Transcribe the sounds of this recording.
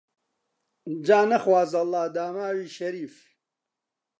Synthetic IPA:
d͡ʒaːnɐxwaːzɐlˠːɑːd̪aːmaːwiːʃɐɾiːf

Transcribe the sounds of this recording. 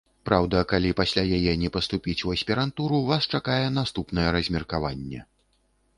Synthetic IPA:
pɾawd̪ɐkalʲipasʲlʲajajɛnʲɛpɐst̪upʲit͡sʲuɐsʲpʲɛɾant̪uɾuvast͡ʂakajɛn̪ast̪upnɐjɛɾɐzʲmʲɛrkavanʲːɛ̰

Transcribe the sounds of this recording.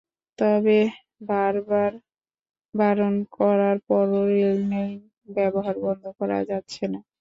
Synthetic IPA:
t̪ɔbe | baɾbaɾ | baɾonkɔɾaɾpɔɾoːelnej | bɛboɦaɾbɔnd̪ʱokɔɾa̰d͡ʑatːɕʰena

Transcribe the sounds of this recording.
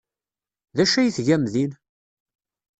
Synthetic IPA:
ðæʃæjiθʝæmðin

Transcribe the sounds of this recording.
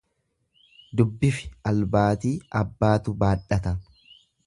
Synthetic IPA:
d̪ʊbːɪfɪ̥ɐlbaːt̪iːʔɐbːaːt̪ʊbaːᶑɐt̪ɐ

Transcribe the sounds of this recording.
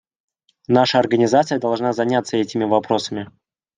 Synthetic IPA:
naʂəɐrɡənʲɪzat̪sɨjəd̪ɐlˠʐnazɐnʲat̪sːəɛtʲɪmʲɪvɐpɾo̞səmʲɪ

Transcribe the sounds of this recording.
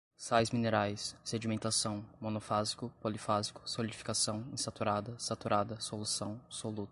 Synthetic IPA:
sajzmineɾajsːed͡ʒimẽnt̪asɐ̃w̃monofazi̥kʊpolifazikʊ̥solid͡ʒifi̥kasɐ̃w̃ẽsat̪uɾad̪ɐsat̪uɾad̪ɐsolusɐ̃w̃solut̪

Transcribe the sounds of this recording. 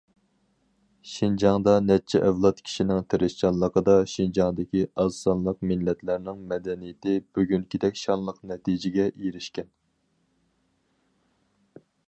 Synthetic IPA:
ʃind͡ʒɑŋd̪ɑnɛt͡ʃʰːɛʔɛvlˠɑt̪kʲʰi̥ʃinɪŋt̪ʰeɾɪʃt͡ʃɑnlːˠəqəd̪ɑʃind͡ʒɑŋd̪ɪkʲiɑzɑnlˠəqmɪlːɛt̪ʰlæɾnɪŋmɛd̪ɛnijɪt̪ʰɪbyɡʲyŋkʲid̪ɛkʲʃɑnlˠəqnɛt̪ʰid͡ʒɪɡʲɛʔijɾɪʃkʲɛn

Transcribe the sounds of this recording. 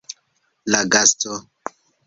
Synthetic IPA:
laɡasto

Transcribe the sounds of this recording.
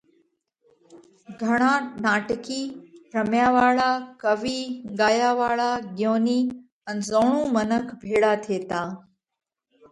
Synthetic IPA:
ɡʱəɽ̃ãːnaːʈkiːɾəmjaːʋaːɭakəʋiːɠaːjaːʋaːɭaːɠjoːniː | ənzoːɽ̃ũːmənəkʰbʱeːɽat̪ʰieːt̪ãː

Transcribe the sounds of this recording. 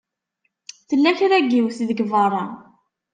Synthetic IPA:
θəlːæçɾæɡiwθiðəɡvərˤɑ

